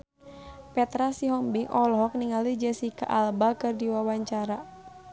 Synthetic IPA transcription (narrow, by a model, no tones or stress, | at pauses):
pɛt̪ɾasiɦɔmbiŋʔɔlɦɔk̚niŋalid͡ʒɛsika̰ʔalbakɨrdiwawaɲt͡ʃaɾa